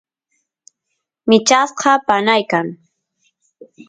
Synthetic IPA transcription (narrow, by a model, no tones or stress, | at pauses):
mɪt͡ʃasqɑpanajkaŋ